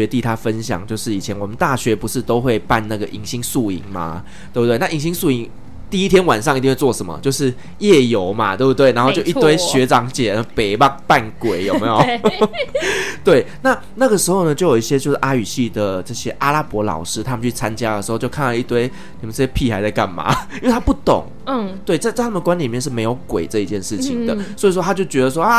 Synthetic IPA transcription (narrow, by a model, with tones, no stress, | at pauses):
ɥɛ˧˥t̪i˥˧˩t̪ʰa˦˥fə˦nɕjɑ̰˨˩˦ŋt͡ɕjo˥˧ʊʂɻ̩˥˩i˨˩t͡ɕʰjɛ˧˦nwɔ˨˩mə˦nt̪a˥˩ɕɥɛ˧˥pu˧˥ʂɻ̩˥˧t̪o˥ʊxwe˥˧ɪpa˥˧nna˥˩ɡə˩ʔi˧˥ŋɕi˥ŋsu˥˩ḭ˧˩˦ŋma̰˨ | t̪we˥˧˩btwna˥˨i˧˥ŋɕi˥ŋsu˥˩i˧˥ŋ | t̪i˥˨˧i˥t̪ʰjɛ˥nwa˨˩nʂɑ˥˩ŋ˨i˧t̪i˥˧xwe˥˧t͡swɔ˥˩ʂə˨˦nmə̰˧˦t͡ɕjo˥˧ʊʂɻ̩˥˧˨ | jɛ˥˩jo˧˥ʊma̰˨˦t̪we˥˧˩bu˥t̪we˥˩ɪna˧˥xo˥˧ʊt͡ɕo˥˧ʊi˥t̪we˥ɪɕɥɛ˧˥ʈ͡ʂɑ˨˥ŋt͡ɕjɛ˨˩˧pe˨˩ɪmɑ˥˩ŋpa˥˩nkwe˨˩ɪjo˨˩me˧˥jo˨˩ | t̪we˥˩ɪna˥˨ | na˥˩ɡə˩ʂɻ̩˧˥xo˥˩ʊnə˩t͡ɕo˥˩jo˨˩i˥ɕjɛ˦t͡ɕjo˥˧ʊʂ̩˥˩ʔa˥y˨˩ɕi˥˩d̪ə˩ʈ͡ʂɤ˥˧˩ɕjɛ˥ʔa˥la˥pwɔ˧˥lɑ̰˨˩ʊʂɻ̩˥t̪ʰa˥mə˨nt͡ɕʰy˥˩t͡sʰa˦nt͡ɕja˦˥d̪ə˨˩ʂɻ̩˧xo˥˧ʊt͡ɕjo˥˧kʰa˥n˥˨˧i˥˩t̪we˥ɪ | ni˨˩mə˨nt͡sə˥˩ɕjɛ˥pʰi˥˩xa˧˥ɪt͡sa˥˧ɪka̰˥˩nma̰˨˩˦ji˥wɪa˥pu˥˩t̪o̰˨˩ŋ | t̪we˥˩ɪt͡sa˥˧ɪt͡sa˥˧t̪ʰa˥m˨˩nkwa˦nli˨˩mjɛ˥˧nʂ̬ɻ̩˥˩me˧˥ɪjo˧˥ʊkwe˨˩ɪʈ͡ʂɤ˥˧i˧t͡ɕjɛ˥˧nʂɻ̩˥˩t͡ɕʰi˨˩ŋd̪ə̰˩swɔ˧˥i˨˩ʂ̬wɔ˥t̪ʰa˥t͡ɕjo˥˩ʊt͡ɕɥɛ˧˥d̪ə˨˩s̬wɔ˥ʔa˥˩